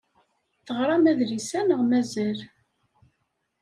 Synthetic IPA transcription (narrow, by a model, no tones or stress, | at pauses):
θəʁɾˤɑmæðlisænəʁmæzæl